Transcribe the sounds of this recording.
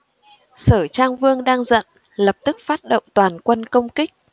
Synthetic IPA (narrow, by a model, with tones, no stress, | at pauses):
səː˧˩t͡ɕaː˧ŋvɨ˧əŋɗaː˧ŋzə̰˧˨n | lə˨˩p̚t̪ɨ˦˥k̚faː˦˥t̚ɗo̰˧˨wŋ͡mt̪waː˨˩nkwə˧nkə˧wŋ͡mkï˦˥k̟̚